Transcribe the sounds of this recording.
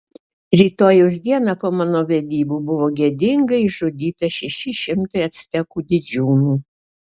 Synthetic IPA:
ɾʲiːt̪oːjɛʊs̬d̪ʲiɛnɑpoːmɑːnoːʋʲɛd̪ʲiːbuːbʊʋoːɡʲɛd̪ʲɪŋɡɐiʒod̪ʲiːt̪ɐʃʲɛʃʲɪʃʲɪmt̪ɐɪɐt̪ʲsʲt̪ʲɛkuːd̪ʲɪd͡ʒʲuːnuː

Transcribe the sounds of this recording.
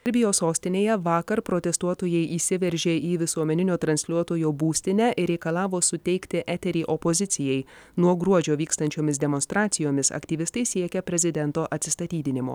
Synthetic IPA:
ɛɾʲbʲɪjoːsoːsʲt̪ʲɪnʲeːjɛʋɑːkɐɾpɾot̪ʲɛst̪uɔt̪oːjɛɪʔiːsʲɪʋʲɛɾʲʒʲeːʔiːʋʲɪsuɔmʲɛnʲɪnʲoːt̪ɾɐnʲsʲlʲuɔt̪oːjoːbuːsʲt̪ʲɪnʲæʔɪɾʲɛɪkɐlˠɑːʋoːsʊt̪ʲɛɪkt̪ʲɪʔæt̪ʲɛɾʲiːʔɔpɔzʲɪt̪sʲɪjɛɪ | nuɔɡɾuɔd͡ʒʲoːʋʲiːkst̪ɐnʲt͡ʃʲoːmʲɪs̬d̪ʲɛmɔnst̪ɾɑːt̪sʲɪjoːmʲɪsɐ̰kt̪ʲiːʋʲɪst̪ɐɪsʲiɛkʲɛpʲɾʲɛzʲɪd̪ʲɛnt̪oːʔɐt̪ʲsʲɪst̪ɐt̪ʲiːd̪ʲɪnʲɪmo̰ː

